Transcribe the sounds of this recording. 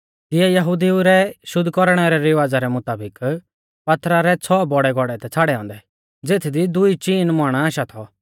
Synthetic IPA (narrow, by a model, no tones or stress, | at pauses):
t̪ɪɛjɐɦuːd̪iuɾɛʃʊd̪ːkɔɾɽ̃ɛɾɛɾɪʋaːd͡zaɾɛmʊt̪aːbɪk | pɐt̪ɾaɾɛt͡sʰɔbɔɽɛɡʱɔɽɛt̪ɛt͡sʰaːɽɛɔ̃ːnd̪ɛ | d͡zeːt̪ʰd̪id̪ʊit͡ʃiːnmaːɽ̃aaːʃat̪ʰɔ